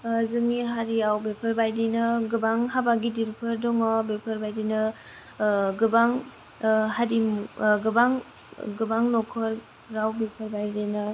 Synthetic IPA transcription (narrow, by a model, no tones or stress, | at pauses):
zɯŋiɦaɾiawbepʰɐɾbajdinɯɡɯbaŋɦabaɡidiɾpʰɯɾdɔŋɔbepʰəɾbajdinɯ | ɡɯbaŋ | haɾimɡɯbaŋ | ɡɯbaŋnɔkʰɔɾː | awbepʰəɾbajdenɯ